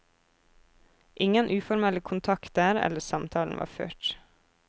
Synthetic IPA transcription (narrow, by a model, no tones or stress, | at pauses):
ʔɪŋənʔʉːfɔɾmɛləkʰʊnt̪ʰɑkt̪æːɾɛ̰ləsɑmt̪ʰɑːln̩ʋɑ̰ːfø̰ːʈ